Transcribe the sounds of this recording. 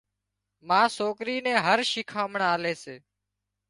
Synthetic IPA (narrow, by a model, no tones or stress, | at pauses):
mãːsoːkɾiːnɛ̃ːɦəɾʃɪkʰaːməɳaːleːseː